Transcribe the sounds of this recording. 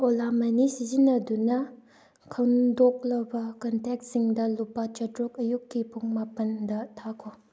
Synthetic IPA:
olamɐnisizinɐdunɐ | kʰɐwndok̚lɐbɐkɐntek̚tsiŋdɐlupːat͡ʃɐtɾuk̚ɐjukːipuŋmapɐndɐtʰakʰo

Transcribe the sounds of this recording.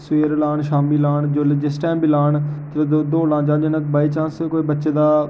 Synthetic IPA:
sʊeːɾlaːɳʃaːmiːlaːɳd͡ʒoːld͡ʒɪsʈɛːmbilaːɳ | ood̪oːlãːd͡ʒãːd͡ʒənəkbaːiːt͡ʃãːsekoːiːbətːʃeːd̪aː

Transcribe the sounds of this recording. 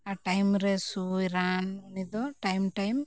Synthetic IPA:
aʈajmɾesuiɾananid̪ɔʈajmʈajm

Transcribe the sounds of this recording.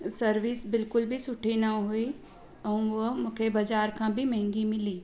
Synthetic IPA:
sɐɾʋiːsbɪlkʊlbʱisʊʈʰinɐɦʊi | ɔːʋomʊkʰebɐd͡ʒaːɾkʰãbʱimɛ̃ɦŋɡimɪliː

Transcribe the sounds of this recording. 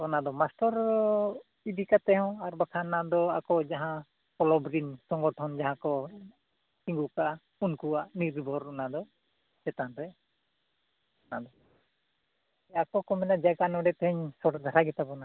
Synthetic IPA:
bɔnad̪ɔmasʈɔɾ | ib̪ikat̪ɛɦɔ̃aɾbakʰanad̪ɔakɔd͡ʒaɦã | kɔlɔbɾinsɔŋɡɔʈʰɔnd͡ʒaɦãkɔ | t͡ʃiŋɡukaʔ | unkuaʔniɾbʱɔɾɔnad̪ɔ | sɛt̪anɾɛ | ɔnad̪ɔ | akɔkɔmɛnad͡ʒaɡanɔɖɛt̪ɛɦɛɲsɔʈd̪ʱaɾaɡɛt̪abɔna

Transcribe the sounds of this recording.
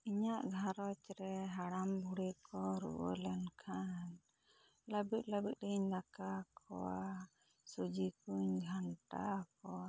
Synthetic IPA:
iɲaʔɡʱaɾɔt͡ʃɾɛɦaɽambʱuɽɛkɔɾṵʔə̰lɛnkʰan | ləbit̪̚ˀləbit̪̚ˀdəɲlakakʰɔ̰wa | sud͡ʒikuɲɡʱaɳʈa̰k̚ɔa

